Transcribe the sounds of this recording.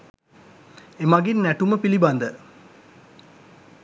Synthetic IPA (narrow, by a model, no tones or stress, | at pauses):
emaɡinːæʈuməpiliband̪ə